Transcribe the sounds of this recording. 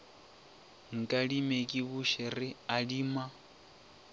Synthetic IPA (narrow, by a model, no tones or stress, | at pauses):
ŋ̩kʼaɺimekʼiβuʃɛɾiaɺiːma